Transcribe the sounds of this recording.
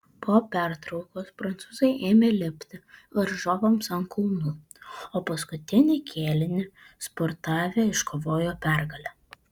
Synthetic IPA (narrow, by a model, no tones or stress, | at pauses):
poːpʲæˑɾt̪ɾɒʊkoːspɾɐnt̪suːzɐɪʔeːmʲeːlʲɪpʲt̪ʲɪʋɐɾʒoːʋɐmsɐŋkʰʊlˠnu | oːpɐskʊt̪ʲɪnʲɪkʲʰeːlʲɪnʲɪ | spoɾt̪ɑːʋʲeːɪʃkʰoːʋoːjoːpʲæɾɡɐlʲɛː